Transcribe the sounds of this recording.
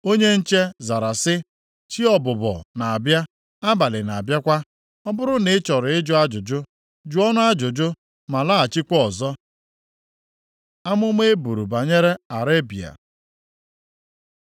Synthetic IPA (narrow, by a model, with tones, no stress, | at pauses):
o˦ɲe˦n̩˦t͡ʃe˦za˨ɾa˨sɪ˦ | t͡ʃi˦ɔ˨bʊ˨bɔ̰˨na˨a˨bja˦ | a˦ba˨lɪ˨na˨a˨bja˦kʷa˦ | ɔ˦bʊ˦ɾʊ˦ne˨˦t͡ʃɔ˨ɾʊ˨ɪ˦d͡ʒʊ˦a˦d͡ʒʊ˨d͡ʒʊ˦ | d͡ʒu˦ɔ˦nʊ˦a˦d͡ʒʊ˨d͡ʒʊ˦ | ma˨la˦a˨t͡ʃi˦kʷɔ˨zɔ˦ | a˦mʊ˦m˦e˦bu˨ɾu˨ba˨ɲe˦ɾe˦a˨ɾe˦bḭ˨a̰˨